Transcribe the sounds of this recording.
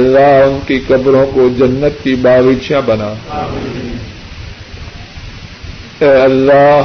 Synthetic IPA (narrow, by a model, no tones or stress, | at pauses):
lːaːɦʊnkikɐbɾõkod͡ʒɐnːət̪̚kibaːʋɪːt͡ʃijãbɐnaː | ɛːɐlːa